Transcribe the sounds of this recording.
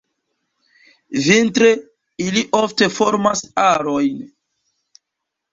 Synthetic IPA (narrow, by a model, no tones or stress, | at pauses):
vintɾe | iliʔofte̞fo̞ɾmasaɾojn